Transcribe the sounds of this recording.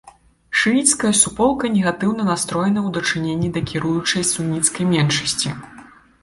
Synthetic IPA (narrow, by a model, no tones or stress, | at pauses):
ʂɨnʲit̪skɐjɐsupɔlˠkɐnʲɛɣat̪ɨwnɐnast̪ɾɔjɛnɐwd̪ɐt͡ʂɨnʲenʲːid̪ɐkʲiɾujut͡ʂɐjsunʲit̪skɐjmʲɛnʂɐsʲt͡sʲi